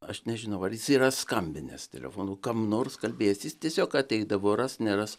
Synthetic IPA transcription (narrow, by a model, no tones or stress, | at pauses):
ɐʃnʲɛʒʲɪnɐʊɐrjɪsiːɾɐskɐmʲbʲɪnʲɛ̰st̪ʲɛ̰lʲɛ̰foːnuːkɐmnoːrskɐlʲbʲeːjsjɪstʲiɛsʲoːkɐtʲɛɪɡd̪ɐʋoːrɐsnʲɛːɾɐs